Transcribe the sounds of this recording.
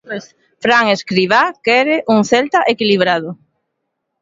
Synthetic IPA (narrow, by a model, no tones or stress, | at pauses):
fɾaŋeskɾiβakɛɾɪʔuŋθɛlt̪aʔekiliβ̞ɾaðʊ